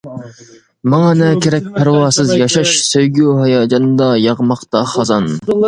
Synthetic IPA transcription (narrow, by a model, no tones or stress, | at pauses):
mɑŋɑnɛkʲeɾɛk̚ʲpʰæɾwɑːsɨzjɑʃɑʃsøjɡʲyɦɑjɑːd͡ʒɑnd̪ɑjɑʁmɑqt̪ɑχɑzɑn